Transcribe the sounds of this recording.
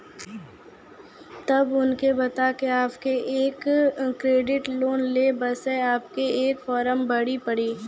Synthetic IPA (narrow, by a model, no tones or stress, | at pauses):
t̪ɐbʊnkebɐt̪akeaːpkeʔeːkkɾeːɖɪʈloːnleːbɐseaːp̚keeːkfɔːɾəmbɐɽipɐɽiː